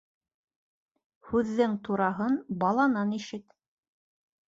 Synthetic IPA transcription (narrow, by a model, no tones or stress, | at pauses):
hʉðːɘŋt̪uɾɑɦɤnbɑlˠɑnɑniʃɘt̪